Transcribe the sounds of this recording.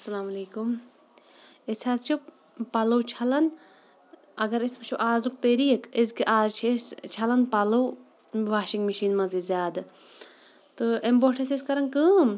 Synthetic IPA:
ɐsɐlaːmɐleːkum | eshaːzt͡ʃʰi | pɐlɐwt͡ʃʰɐlɐn | ɐɡɐɾispɐt͡ʃʰuʔaːzuk̚t̪eɾijekezkiʔaːzt͡ʃʰest͡ʃʰɐlɐnpɐlɐw | ʋaːʃiŋɡmiʃiːnmɐzizʲaːd̪ | t̪ɨemboʈʰeseskɐɾɐnkɨːm

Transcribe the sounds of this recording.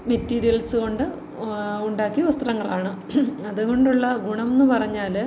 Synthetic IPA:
metːiːɾijɐlsɨɣo̞ɳɖɨ | uɳɖaːkːiɐʋɐst̪rɐŋːɐɭaːɳɨ | ɐðuɣo̞ɳɖuɭːɐɡuɳɐmenːɨpɐrɐɲːaːl

